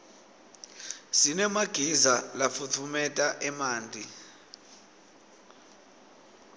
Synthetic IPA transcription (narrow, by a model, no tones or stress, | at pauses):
sinɛmaɡ̥ʱizalafutʰumɛtʼaʔɛmaːnd͡ɮʱi